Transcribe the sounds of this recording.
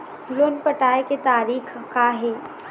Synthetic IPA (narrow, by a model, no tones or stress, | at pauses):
loːnpɐʈaːeket̪aːɾiːkʰkaɦeː